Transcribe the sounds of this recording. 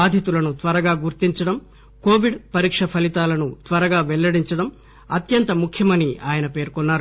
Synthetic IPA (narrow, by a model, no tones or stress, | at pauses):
aːd̪ʱjɐt̪ulɐnut̪ʋɐɾɐɡaːɡuɾt̪iɲt͡ʃɐɽɐm | koːʋiɖpɐɾiːkʂɐpʰɐlit̪aːlɐnut̪ʋɐɾɐɡaːʋɛɭːɐɽiɲt͡ʃɐɽɐm | ɐt̪jɐnt̪ɐmukʰjɐmɐniʔaːjɐnɐpe̞ːɾkɔnːaːɾu